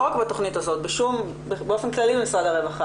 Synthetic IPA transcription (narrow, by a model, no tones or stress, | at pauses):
okbatoχnithazo̞tbeʃum | bbeofenklaliemisʁadaʁevaχa